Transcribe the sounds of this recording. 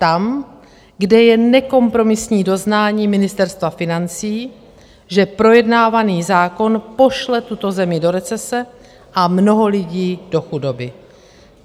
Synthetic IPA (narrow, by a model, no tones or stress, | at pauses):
t̪am | ɡdɛjɛnɛko̞mpɾo̞mɪsɲiːdo̞znaːɲiːmɪnɪst̪ɛɾst̪vafɪnant͡siː | ʒɛpɾo̞jɛdnaːvaniːzaːko̞npo̞ʃlɛt̪ut̪o̞zɛmɪdo̞ɾɛt͡sɛsɛ | ʔamno̞ɦo̞lɪɟiːdo̞xudo̞bɪ